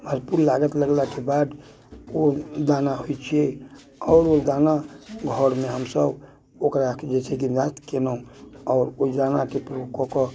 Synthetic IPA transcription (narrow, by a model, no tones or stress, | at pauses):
bʱəɾpuɾlaɡət̪ləɡlakebad̪ | od̪anaɦojt͡ʃʰiɛ | ɔːɾod̪anaɡʱɔɾmeɦəmsəb | okɾakd͡ʒet͡ʃʰɛɡimd̪at̪kenəũɔːɾoid̪anakepɾokɔkɔ